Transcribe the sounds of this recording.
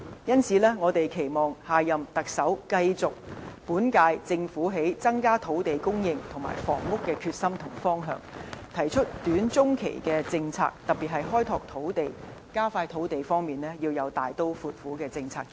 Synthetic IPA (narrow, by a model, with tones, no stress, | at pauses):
jɐ˥nsiː˨˧lɛː˥ŋɔː˨˧t̪e˨jkʰe˨˩jmɔː˨ŋhaː˨jɐ˨mt̪ɐ˨k̚sɐ˨˥wkɐ˧jt͡sʊ˨k̚puː˨˥nkaː˧jt͡sɪ˧ŋfuː˨˥ɦe˨˥jt͡sɐ˥ŋkaː˥t̪ʰo˨˥wt̪e˨jkʊ˥ŋjɪ˧ŋt̪ʰʊ˨˩ŋma̰ː˨˩jfɔ̰ː˨˩ŋmʊ˥kːɛː˧kʰyː˧t̚sɐ˥mt̪ʰʊ˨˩ŋfɔː˥ŋɦœ̰ː˧ŋt̪ʰɐ˨˩jt͡ʃʰɵ˥t̚t̪yː˨˥nt͡sʊ˥ŋkʰḛ˨˩jkɛː˧t͡sɪ˧ŋt͡sʰa̰ː˧k̚t̪ɐ˨p̚pːiː˨t̚ɦɐ˨jɦɔː˥jt̪ʰɔː˨k̚t̪ʰo˨˥wt̪e˨jkaː˥faː˧jt̪ʰo˨˥wt̪e˨jfɔː˥ŋmiː˨˩nlɛː˥jiː˧wjɐ˨˧wt̪aː˨jt̪o˥wfuː˨t̚fuː˨˥kɛː˧t͡sɪ˧ŋt͡sʰaː˧k̚